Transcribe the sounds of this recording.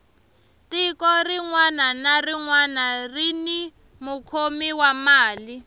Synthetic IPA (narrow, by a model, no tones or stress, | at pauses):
tikɔriŋwananariŋwanarini | mukʰomiwamaːli